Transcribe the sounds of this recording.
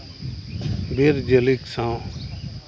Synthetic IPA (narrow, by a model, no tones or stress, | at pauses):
beːɾd͡ʒəliksãː